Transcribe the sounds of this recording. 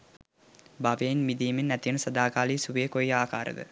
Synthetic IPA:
baʋenmid̪iːminːæt̪ijənəsɐd̪aːkaːliːsuʋekojaːkaːɾə̰d̪ə̰

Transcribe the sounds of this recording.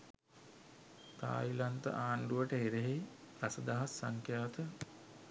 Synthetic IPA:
t̪a̰ːilant̪ə̰ʔaːɳɖuʋəʈəɦeɾeɦejpɾasəd̪aɦasːaŋkʰjaːt̪ə

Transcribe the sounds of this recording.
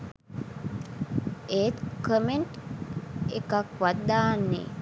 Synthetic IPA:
eːt̪kəmeɳʈ | ekakʋad̪ːaːnːḛ

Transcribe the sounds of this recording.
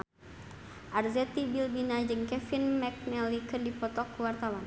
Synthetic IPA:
ʔarzɛt̪ibilbinad͡ʒɨŋkɛfinmɛk̚nɛlikɨrdipɔt̪ɔkːuwart̪awan

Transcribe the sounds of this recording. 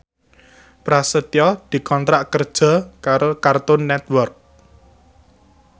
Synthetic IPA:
pɾasət̪iɔd̪̥i̤kɔnt̪ɾaʔkərd̥ʒ̥a̤kaɾokart̪ʊnːɛt̪wɔrk̚

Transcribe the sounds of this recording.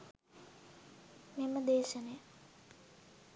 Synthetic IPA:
meməd̪eːʃənəjə

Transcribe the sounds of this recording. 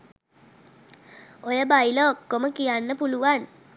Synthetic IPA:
ojəbailəokːoməkijanːəpuluʋan

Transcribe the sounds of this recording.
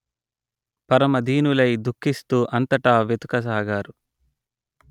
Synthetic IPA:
pɐɾɐmɐd̪ʱiːnulɐjd̪ukʰːist̪uːʔɐnt̪ɐʈaːʋet̪u̥kɐs̬aːɡaːɾu

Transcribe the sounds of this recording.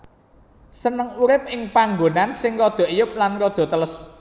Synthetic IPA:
sənəŋuɾɪp̚ɪŋpaŋɡonansɪŋrɔd̪̥ɔ̤ʔijʊp̚lanrɔd̪̥ɔ̤t̪ələs

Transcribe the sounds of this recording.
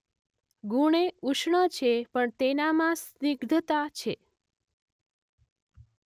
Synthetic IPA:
ɡuɽ̃euʃɳət͡ʃʰepəɳt̪enamãsniɡd̪ʱət̪at͡ʃʰe

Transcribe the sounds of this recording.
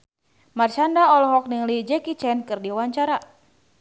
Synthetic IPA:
mart͡ʃandaɔlɔɦɔk̚niŋlid͡ʒɛkit͡ʃɛnkɨrdiwaɲt͡ʃaɾa

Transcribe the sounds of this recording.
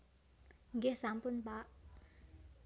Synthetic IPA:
ɡesampunba

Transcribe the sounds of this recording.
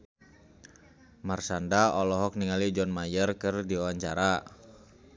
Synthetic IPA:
marsandaɔlɔɦɔk̚niŋalid͡ʒɔnmajərkɨrdiuwaɲt͡ʃa̰ɾa

